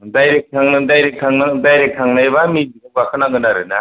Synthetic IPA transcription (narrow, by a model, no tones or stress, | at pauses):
dajɾek̚tʰaŋnɯdajɾek̚tʰaŋadajɾek̚tʰaŋnajbamiziɡɯbakʰɯnaɡɯnaɾɯna